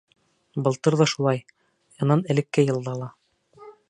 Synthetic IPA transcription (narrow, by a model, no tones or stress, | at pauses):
bɤ̆lˠt̪ɤɾðɑʃulˠɑj | jɑnɑnɘ̆lɘ̆kːæjɤ̆lˠd̪ɑlˠɑ